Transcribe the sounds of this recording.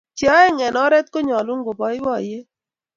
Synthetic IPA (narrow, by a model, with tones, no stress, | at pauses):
t͡ʃɔ˦e˦ŋɛ˨nɔ˦ɾɛ˦t̪̚ko˦ɲɔ˨lu˦ŋɡo˨bɔ˨˦ɪ˦wɔ˦˨je˦